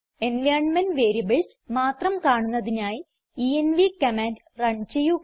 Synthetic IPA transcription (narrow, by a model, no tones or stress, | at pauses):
enʋjaːrɳmɐnʋeːɾiɐbɐɭs | maːt̪rɐmkaːɳunːɐðinaːji | ienʋikɐmaːnd | rɐɳt͡ɕejːu